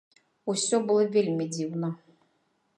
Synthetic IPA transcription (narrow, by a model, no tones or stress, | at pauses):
usʲɔbɨlˠəvʲelʲmʲid͡zʲiwnə